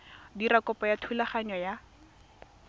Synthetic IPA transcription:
diɾakɔpɔjatʰulaχaɲɔja

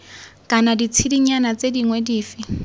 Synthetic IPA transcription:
kʼanadit͡sʰidiɲanat͡sʼediŋwediːfi

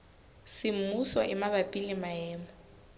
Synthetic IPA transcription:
sɪm̩musɔ̰ʔɪmaβapʼilimaɛːmɔ

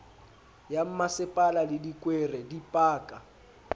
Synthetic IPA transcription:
jam̩masɪpʼalalɪdikʼwerɛdipʼaːkʼa

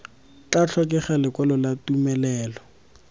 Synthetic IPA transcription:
t͡ɬat͡ɬʰɔkʼɪχalɪkwɛlɔlatumɛlɛːlɔ

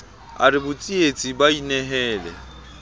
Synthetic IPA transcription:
a̰ɾɪbʊt͡sʼiet͡sʼibainɛɦɛːlɛ̰

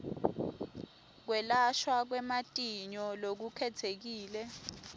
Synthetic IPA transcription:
k̬wɛlaʃwak̬wɛmatʼiɲɔlok̬ukʰɛtʰek̬iːlɛ

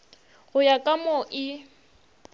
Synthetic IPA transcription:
ɣʊjakʼamɔʔɪ

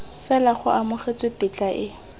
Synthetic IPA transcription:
fɛlaχʊʔamʊχet͡sʼɪpɪt͡ɬʼaʔɪ

